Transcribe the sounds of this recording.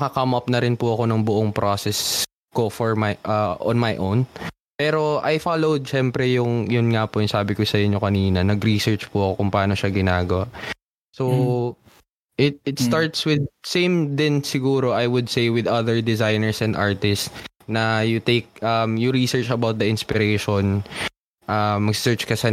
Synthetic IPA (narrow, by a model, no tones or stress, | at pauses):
ɐkɐkɐmʔɐp̚nɐɾɪnpʊʔɐko̞nʊŋbʊʔoŋpɾʔosɛs | ko̞fɔɹmajʔɐʔo̰nmajʔown | pɛːɾo̞ʔajfaːlowd̪̚ʃɛmpɾɛjʊŋjʊnŋapʊjʊŋsaːbɪkosɐɪɲɲokɐniːnɐnɐɡɾisɛɹt͡ʃpʊʔɐko̞kʊŋpɐʔaːno̞ʃaɡɪnaːɡɐwaʔ | so | ʔɪt̪̚ɪt̪st̪aɹt̪swɪd̪̚sẽjmd̪ɪnsɪɡuːɾoʔajwʊd̪̚sejwɪd̪ɐðɛɹd̪ɪzajnɛɹsɛ̃nd̪ʔa̰ɹt̪ɪss | nɐjʊt̪ejk̚ʔɐmjʊɹisɛɹt͡ʃɐbawt̪̚d̪ɐɪnspɪɾejʃon | ʔamːɐɡsɪ̥sɛɹt͡ʃkɐsɐ